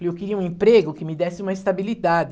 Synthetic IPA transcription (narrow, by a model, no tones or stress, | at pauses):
ewkɪɾiɐũẽmpɾeɡʊkɪmɪd̪ɛsɪũmɐist̪abilid̪ad͡ʒ̪ɪ